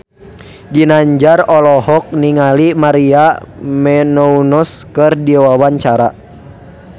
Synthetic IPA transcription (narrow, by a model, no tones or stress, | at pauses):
ɡinaɲd͡ʒarɔlɔhɔk̚niŋalimaɾiamɛnɔunɔskɨrdiawawaɲt͡ʃaɾa